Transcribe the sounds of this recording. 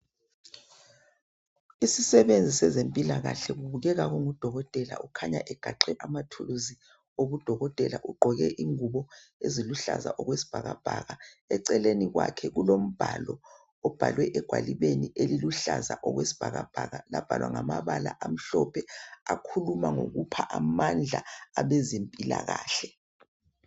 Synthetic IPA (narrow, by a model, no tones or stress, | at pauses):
isisɛβend͡zʱisɛzempʼilaɣaɬɛɣuβuɣɛɣaɣuŋud̥ʱɔɣɔtʼɛla̰ʔukʰaɲa̰ʔɛɡ̥ʱaǃɛʔamatʰuluzi | oβud̥ʱɔɣɔtʼɛlaʔuɡ͡ǃʱɔɣɛʔiŋuβɔ | eziluɬa̰za̰ʔɔɣwesi̥b̥ʱaɣab̥ʱaɣa | ɛǀɛleniɣwakʰɛɣulom̩b̥ʱalɔ | ɔb̥ʱalwɛʔɛɡ̥ʱwaliβeniʔeliluɬazaʔɔɣwesi̥b̥ʱaɣab̥ʱaɣalab̥ʱalwaŋamaβala̰ʔam̩ɬɔpʰɛakʰulumaŋoɣupʰaʔamand͡ɮʱaaβezempʼila̰ɣaːɬɛ